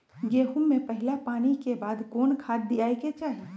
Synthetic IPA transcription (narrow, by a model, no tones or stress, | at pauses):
ɡeːɦʊmːẽpɐɦɪlapaːñikebaːd̪koːnkʰaːt̪̚ːijaːeket͡ʃaːɦi